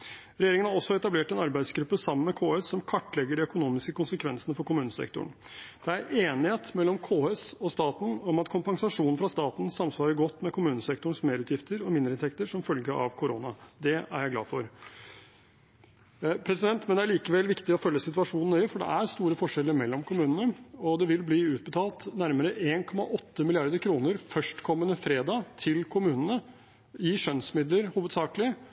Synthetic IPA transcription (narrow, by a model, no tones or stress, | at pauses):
ɾɛjeːɾɪŋənhɑɾɔsːɔɛt̪ɑbleːʈɛnɑɾbæɪd̪sɡɾʉpːəsɑmːənmɛkʰoːɛsːɔmkʰɑʈːlɛɡːəɖɛœkʊnuːmɪskəkʊnsəkʰʋɛnsənəfɔɾkʊmʉːnəsɛ̰kt̪ʊ̰ɳ | d̪̥ɛæɾeːnɪheːt̪mɛlːɔmkʰoːɛsɔst̪ɑːt̪n̩ɔmɑt̪kʰʊmpɑŋsɑʂuːnn̩fɾɑst̪ɑːt̪n̩sɑmsʋɑːɾəɡɔt̪ːmɛkʰʊmʉːnəsɛkt̪ʊɳsmeːɾʉːt̪jɪft̪əɾɔmɪnd̪ɾɪnt̪ʰɛkt̪əʂɔmfœlɡəʔɑ̰ʋkʰʊɾo̰ːnɑd̪ɛæ̰ɾjæɪɡlɑ̰ːfɔɾ | pʰɾɛsɪd̪ɛnt̪mɛnd̪ɛæɭiːkəʋɛlʋɪkt̪ɪɔfœlːəsɪt̪ʉɑʂuːnn̩hœʏəfɔɖɛ̰ʔæɾst̪uːɾəfɔʂɛlːəɾmɛlːɔmkʰʊmʉːnənəɔd̪ɛʋɪlbliːʉːt̪̚bət̪ʰɑːlt̪næɾməɾəʔeːnkʰɔmɑ̰ʔɔt̪ːəmɪlɪɑɾd̪əɾkʰɾuːnəɾfœʂʈkʰɔmːənəfɾeːd̪ɑt̪ʰɪlkʰʊmʉːnənə | ɪʂœnsmɪd̪ləɾhuːʋəd̪sɑːkəlɪ